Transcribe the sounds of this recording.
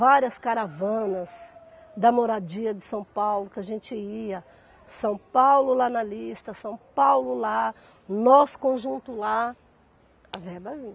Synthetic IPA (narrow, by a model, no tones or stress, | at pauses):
vaɾiɐskaɾavɐ̃nɐs | d̪ɐmoɾad͡ʒiɐd͡ʒɪsɐ̃w̃pawlʊkɪaʒẽnt͡ʃɪiɐ | sɐ̃w̃pawlʊlanɐlist̪ɐsɐ̃w̃pawlʊla | nɔsʊ̥kõʒũnt̪ʊla | ɐvɛbɐvĩ